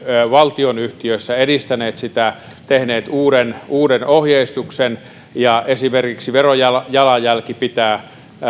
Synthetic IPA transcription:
ʋɑlt̪ionyht̪iøsːæedist̪æneːt̪sit̪æ | t̪ehneːt̪uːɾenuːdenohjeist̪uksen | jɑesimerkiksiʋerojɑlɑjɑlɑjælkipit̪æː

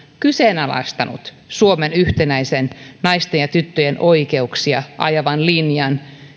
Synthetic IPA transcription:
kyseːnɑlɑ̰st̪ɑnṵt̪ | suomenyht̪enæjsennɑjst̪enjɑt̪yt̪ːøjenʔo̞ikeuksiɑʔɑ̰jɑʋɑnlinjɑn

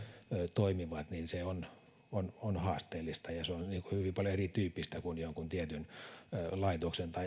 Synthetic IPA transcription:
øːt̪oimiʋɑt̪ninseon | ononhɑːst̪eːlːist̪ɑjɑseonniːŋkuhyʋimpɑljoerit̪yːpːist̪ækunjoŋkunt̪iet̪yn | lɑit̪oksent̪ɑi

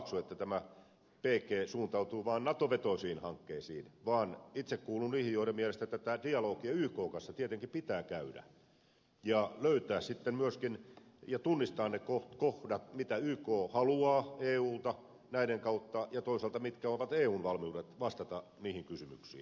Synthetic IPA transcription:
ksuet̪ːæt̪æmæ | peːkeːsuːnt̪ɑut̪uːʋɑːnnɑt̪oʋet̪oisiːnhɑŋkːeːsḭːnʋɑːnit̪sekkuːlunniːhijjoiɾemmiælest̪æet̪ːæt̪æːdiɑloːkiɑyːkoːŋkɑnsːɑt̪iet̪eŋkipit̪æːkæydæ̰ | jɑløyt̪æːssit̪ːemmyøskinjɑt̪unːist̪ɑːnnekotkohdɑt̪mit̪æyːkoːhɑluɑːeːuːlt̪ɑ | næiɾeŋkɑut̪ːɑjɑt̪oisɑlt̪ɑmit̪kæoʋɑt̪eːuːnʋɑlmiudet̪ʋɑst̪ɑt̪ɑ | niːhiŋkysymy̰ksḭːn

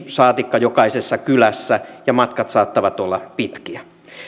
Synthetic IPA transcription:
sɑːt̪ikːɑjokɑisesːɑkylæsːæjɑmɑt̪kɑt̪sɑːt̪ːɑʋɑt̪olːɑpit̪kiæ

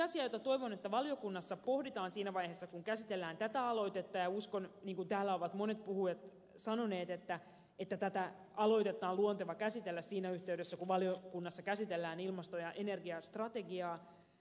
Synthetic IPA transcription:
ɑsiɑjot̪ɑt̪o̞iʋonet̪ːæʋɑljo̞kunːɑsːɑpo̞hdit̪ɑːnsiːnæʋɑjheːsːɑkuŋkæsit̪elːæːnt̪æt̪æɑlo̞jt̪et̪ːɑjɑuskonniːŋkunt̪æːlːæo̞ʋɑt̪mo̞ne̞t̪̚puhuet̪ | sɑno̞ne̞ːt̪et̪ːæ | et̪ːæt̪æt̪æ | ɑlo̞it̪e̞t̪ːˑɑːluont̪eʋɑkæsit̪elːæssiːnæyht̪e̞ydøsːækuʋɑljokunːɑsːɑkæsit̪elːæːnilmɑst̪o̞jɑʔene̞rɡiɑst̪rɑt̪e̞ɡiɑː

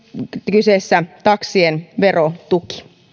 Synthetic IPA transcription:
kyseːsːæt̪ɑksienʋerot̪uki̥

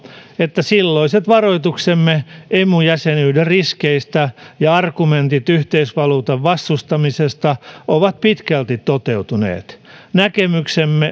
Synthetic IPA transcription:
et̪ːæsilːoiset̪ʋɑroit̪uksemːeemujæsenyːderriskeist̪æjɑɑrkument̪it̪yht̪eisʋɑluːt̪ɑʋʋɑst̪ust̪ɑmisest̪ɑʔoʋɑt̪̚pit̪kælt̪it̪tot̪eut̪unḛːt̪nækemyksemːe

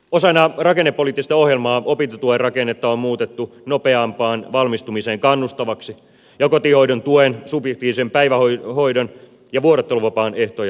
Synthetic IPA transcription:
osɑnːɑrɑkenːepːoliːt̪ːist̪ɑohjelmɑːopint̪ɑt̪uerrɑkenːet̪ːɑommuːt̪et̪ːunopeɑmpɑːnʋɑlmist̪umiseːŋkɑnːust̪ɑʋɑksi | jɑkot̪ihoidont̪uensubjekt̪iːʋisempæiʋæhohoidon | jɑʋuoɾet̪ːeluʋɑpɑːneht̪ojɑ

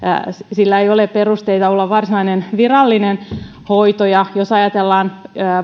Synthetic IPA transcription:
silːæeiolepperust̪eit̪ɑolːɑʋʋɑrsinɑinenʋirɑlːinen | hoit̪ojɑjosɑjɑt̪elːɑːnː

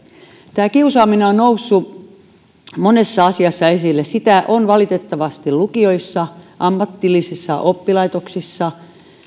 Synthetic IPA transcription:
t̪æːkiusɑːmineonnousːu | monesːɑɑsiɑsːɑesilːessit̪æʔonʋɑlit̪et̪ːɑʋɑst̪ilukioisːɑʔɑmːɑt̪ːilːisisːɑʔopːilɑit̪oksisːɑ

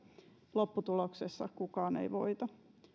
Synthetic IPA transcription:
lopːut̪uloksesːɑ̰kukɑːnḛiʋo̰it̪ɑ

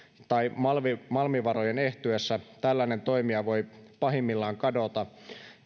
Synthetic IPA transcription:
t̪ɑimɑlʋimɑlmiʋɑɾo̞jene̞ht̪yesːæt̪ælːæine̞nt̪o̞imiɑʋo̞jpɑɦimːilːɑːŋkɑdo̞t̪ɑ

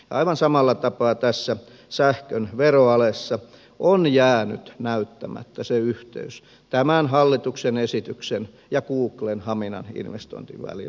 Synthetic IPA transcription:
jɑɑiʋɑnsɑmɑlːɑt̪ɑpɑːt̪æsːæ | sæhkønʋeroɑlesːɑ | ʔonjæːnyt̪næyt̪ːæmæ̰t̪ːæseyht̪ḛys | t̪æmænhɑlːit̪uksenesit̪yksen | jɑkuːklenhɑminɑ̰nḭnʋḛst̪o̰ĭnt̪ḭʋʋæ̰lḭl

